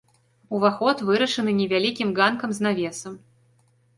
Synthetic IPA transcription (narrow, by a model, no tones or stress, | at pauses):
uvaxɔt̪vɨɾɐʂɨnɨnʲɛvʲalʲikʲimɡankɐmznavʲɛsɐm